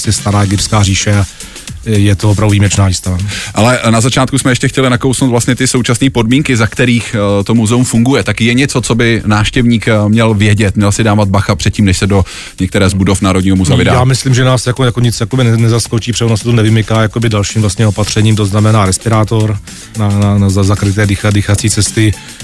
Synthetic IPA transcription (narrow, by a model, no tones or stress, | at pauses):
sjɛst̪aɾaːɛɡɪpskaːriːʃɛa | jɛt̪ovopɾavduviːmɛt͡ʃnaːist̪avaʔalɛnazat͡ʃaːt̪kusmɛjɛʃcɛxcɛlɪnako̞wsnowt̪vlast̪ɲɛt̪ɪso̞wt͡ʃasniːpo̞dmiːŋkɪzakt̪ɛɾiːxt̪o̞muzɛumfuŋɡujɛt̪akjɛɲɛt͡so̞t͡so̞bɪnaːfʃcɛvɲiːkmɲɛlvjɛɟɛt̪mɲɛlsɪdaːvad̪̚baxapr̥ɛt̪̚ciːmnɛʃsɛdo̞ | ɲɛk̚t̪ɛɾɛːzbudo̞fnaːɾodɲiːɦomuzavɪdajaːmɪslimʒɛnaːsjakojakoɲɪt͡sjakobɪnnɛzaskot͡ʃiːpr̥ɛonasɛt̪onɛvɪmɪkaːjakobɪdalʃiːmvlast̪ɲɛopat̪r̝̥ɛɲiːmt̪oznamɛnaːɾɛspɪɾaːt̪o̞ɾ | nananazazakɾɪt̪ɛːdɪxadɪxat͡siːt͡sɛst̪ɪ